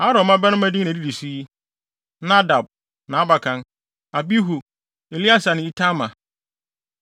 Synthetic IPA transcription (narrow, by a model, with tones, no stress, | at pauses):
a˦ɾɔ̃˨mã˦bɛ˦nʊ̃˦ma˦di˦nẽ˨di˦di˨si˦i˦ | na˦da˨b̚ | nã˨a˦ba˨kʰã˨n | a˨bi˦ɦu˨ | e˨li˦a˦sa˨nɪ̃˨i˦tʰa˦mã˨